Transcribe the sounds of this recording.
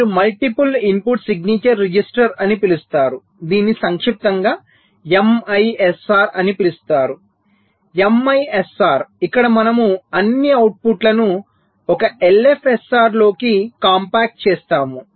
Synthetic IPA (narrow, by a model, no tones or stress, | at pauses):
umɐlʈipulimpuʈsiɡniːt͡ʃɐɾːid͡ʒisʈɐɾɐnipilust̪aːɾu | d̪iːnisɐŋkʂip̚t̪ɐŋɡaː | emɐjesaːɾɐnipilust̪aːɾu | emɐjesaːɾikːɐɽɐmɐnɐmuɐnːiɐwʈ̚puʈlɐnu | ɔkɐʔelepʰesaːɾlo̞ːkikaːmpaːk̚ʈ̚t͡ʃɛːst̪aːmu